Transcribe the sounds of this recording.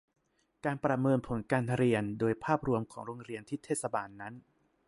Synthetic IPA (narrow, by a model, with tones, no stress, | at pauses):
kaː˧npɾa˧mɤː˧npʰo˩˦nkaː˧nʰɾi˧əndoː˧jpʰaː˥˩p̚ɾu˧əmkʰɔː˩˦ŋɾoː˧ŋɾi˧ənt̪ʰi˦˥˩t̪ʰːeː˥˩t̪sa˧baː˧nːa˦˥n